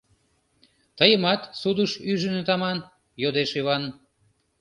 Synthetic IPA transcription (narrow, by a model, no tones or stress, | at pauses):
t̪əjə̆mɑt̪sud̪əʃyʒə̆net̪ɑmɑn | jod̪eʃiβɑn